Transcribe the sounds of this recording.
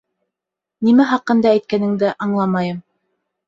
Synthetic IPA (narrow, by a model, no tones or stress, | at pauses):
nimæχɑqːɤ̆nd̪ɑæjt̪̚kænɘ̆ŋd̪ɘʔɑɴlˠɑmɑjɤm